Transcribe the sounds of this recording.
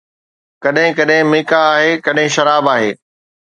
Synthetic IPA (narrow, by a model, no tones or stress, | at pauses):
kɐɗɦɪ̃kɐɗɦɪ̃mɪːkaaːɦekɐɗɦɪ̃ʃɐɾaːbaːɦeː